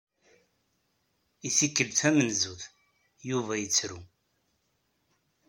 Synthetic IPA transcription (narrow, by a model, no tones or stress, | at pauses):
iθikːəlθæmənzuθ | juvæjət͡sːɾu